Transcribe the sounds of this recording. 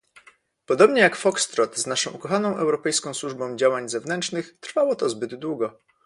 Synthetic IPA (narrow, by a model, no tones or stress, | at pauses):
pɔd̪ɔbɲɛjakfɔkst̪ɾɔt̪znaʂɔ̃w̃ukɔxanɔ̃w̃ʔɛwɾɔpɛjskɔ̃w̃swuʐbɔ̃w̃d͡ʑawaɲzɛvnɛntt͡ʂnɘxt̪ɾfawɔt̪ɔzbɘd̪d̪wuɡɔ